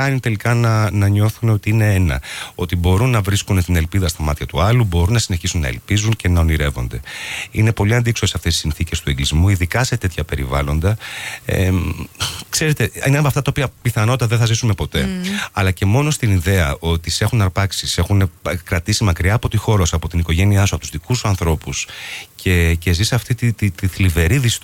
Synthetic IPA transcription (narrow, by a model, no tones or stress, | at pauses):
ɐnit̪e̞likɐnɐnɐɲo̞θuneo̞t̪iine̞enɐ̰o̞t̪ibo̞ɾunːɐvɾiskunst̪ine̞lpiðɐst̪ɐmɐt̪çɐt̪uɐlubo̞ɾunːɐsine̞çisunːɐ̰ḛlpizunce̞nɐo̞niɾe̞vo̞̰nd̪e̞ḭne̞po̞liɐnd̪iksoseɐft̪e̞si̥sinθice̞st̪ue̞ŋɡlizmuiðikɐse̞t̪e̞t̪çɐpe̞ɾḭvɐ̰lo̞nd̪ɐḛ | kse̞ɾe̞t̪e̞ineɐft̪ɐt̪ɐopiɐpiθɐno̞t̪it̪ɐðenθɐzisume̞po̞t̪e̞ɐlɐce̞mo̞no̞st̪iniðe̞ɐo̞t̪ise̞xunɐɾpɐksise̞xunekɾɐt̪isimɐkɾiɐːpot̪ixo̞ɾosɐpo̞t̪iniko̞ʝe̞niɐsuɐpot̪uzðikusuɐnθɾo̞puscʰe̞ce̞zisɐft̪it̪it̪it̪iθlive̞ɾiðis